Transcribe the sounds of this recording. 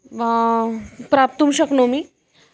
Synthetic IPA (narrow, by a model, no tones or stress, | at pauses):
ʋa | pɾap̚t̪umɕəknomi